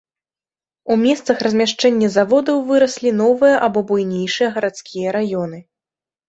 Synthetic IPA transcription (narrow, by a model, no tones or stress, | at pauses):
umʲɛst̪sɐxrɐzʲmʲaʂt͡ʂɛnʲːɐzavɔd̪ɐwvɨɾɐsʲlʲinɔvɨjɐʔabɔbujnʲejʂɨjɐɣɐɾat̪skʲijɐɾajɔn̪ɨ